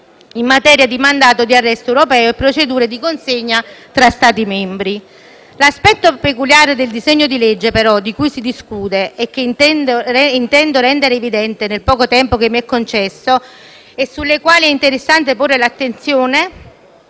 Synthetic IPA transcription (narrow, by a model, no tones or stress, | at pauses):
imːat̪ɛːɾjad̪imand̪aːt̪od̪iarːɛst̪oɛwɾopɛːoɛpːɾot͡ʃed̪uːɾed̪ikonseɲːat̪ɾast̪aːt̪imɛmbɾi | laspɛt̪ːopekuljaːɾed̪eld̪izeɲːod̪iled͡ʒːepeɾɔd̪ikujsid̪iskuːd̪eɛk̟ːend̪oint̪ɛnd̪oɾɛnd̪eɾeːvid̪ɛnt̪enelpɔːkot̪ɛmpokemːiɛkːont͡ʃɛsːo | esːulːekwaːliɛint̪eɾesːant̪eporːelat̪ːent̪sjoːne